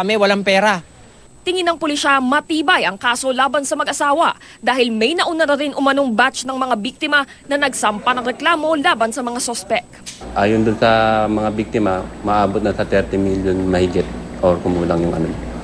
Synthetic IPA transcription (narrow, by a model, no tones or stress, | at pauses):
kɐmɛwɐlaŋpɛːɾa | t̪ɪŋɪnːɐŋpʊliʃamɐt̪iːbɐjɐŋkaːso̞laːbɐnsɐmɐɡʔɐsaːwɐ | d̪aːhɪlmɛjnɐʔʊnɐnɐɾɪnʔʊmɐno̞ŋbatt͡ʃnɐŋmɐŋabik̚t̪ɪmɐ | nɐnɐɡsɐmpɐnɐŋɾɛklaːmo̞laːbɐnsɐmɐŋasospɛk̚ | ʔaːjond̪ʊnsɐmɐŋabik̚t̪ɪmɐmɐʔaːbot̪̚nɐsɐt̪ɛɾt̪ɪmiljonmɐhɪɡɪt̪̚ʔoɾkʊmuːlɐŋjʊŋʔɐ̰no̰m